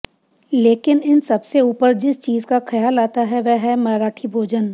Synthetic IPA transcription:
leːkɪnɪnsɐbseuːpəɾd͡ʒɪst͡ʃiːzkaxɐjaːlaːt̪aɦɛʋɛɦɛmɐːɾaːʈʰibʱoːd͡ʒən

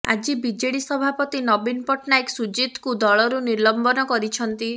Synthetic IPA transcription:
a̰d͡ʒibid͡ʒeɽisɔbʱapɔt̪inɔbinpɔʈnaeksud͡ʒit̪kud̪ɔɭɔɾuniɾlɔmbɔnɔkɔɾit͡ʃʰɔnt̪i

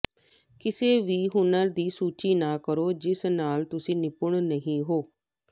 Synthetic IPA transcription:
kɪseːʋiːɦʊnəd̪iːsuːt͡ʃiːnaːkəɾoːd͡ʒɪsnaːlt̪ʊsĩːnɪpʊɳnəɦĩːɦoː

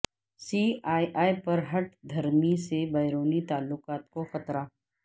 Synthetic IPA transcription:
siːaːjʔaːjpɐɾɦɐʈ̚d̪ʱɐɾmisebɐɪɾoːnit̪aːlːʊkaːt̪̚koxɐt̪ɾaː

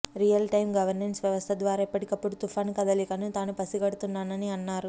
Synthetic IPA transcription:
ɾijɐlʈɐjmɡɐʋɐɾnensʋjɐʋɐst̪ʰɐd̪ʋaːɾaːipːɐʈikɐpːuɽut̪ufʰaːnkɐd̪ɐlikɐnit̪aːnupɐsiɡɐɽut̪unːaːnɐniɐnːaːɾu

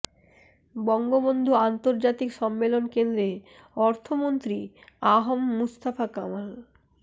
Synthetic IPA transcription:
bɔŋɡobond̪ʱuant̪oɾd͡ʑat̪ikʃɔmːelonkend̪ɾe | ɔɾt̪ʰomont̪ɾiaɦomːust̪afakamal

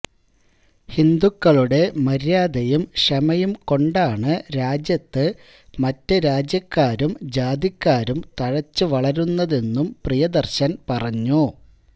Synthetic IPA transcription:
hind̪ukːɐɭuɽe̞mɐɾjaːd̪ɐjumɕɐmɐjumko̞ɳɖaːɳɨɾaːd͡ʑjɐt̪ːɨ | mɐtːɨɾaːd͡ʑjɐkːaːɾumd͡ʑaːd̪jikʲːaːɾumt̪ɐɻɐt͡ɕːɨʋɐɭɐɾunːɐðe̞nːumprijɐd̪ɐrɕɐnpɐrɐɲːu

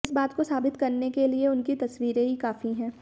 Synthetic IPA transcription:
ɪsbaːt̪kosaːbɪt̪kɐɾnekelieʊnkit̪ɐswiːɾeɦikaːfiɦɛ̃ː

